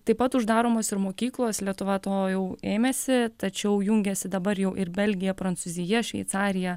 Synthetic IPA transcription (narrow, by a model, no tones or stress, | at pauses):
t̪ɐɪpɐt̪ʊʒd̪ɑːɾoːmoːsɪɾmoːkʲiːklˠoːslʲiɛt̪ʊʋɐt̪oːjɛʊeːmʲeːsʲɪt̪ɐt͡ʃʲɛʊjuŋʲɡʲɛsʲɪd̪ɐbɐɾjɛʊʔɪɾbʲɛlʲɡʲɪjɛpɾɐnt̪suːzʲɪjɛʃʲʋʲɛ̰ɪt̪sɑːɾʲɪjɛ